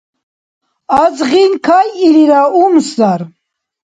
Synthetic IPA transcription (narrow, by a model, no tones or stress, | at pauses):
azʁinkʰajiliɾaumsdaɾ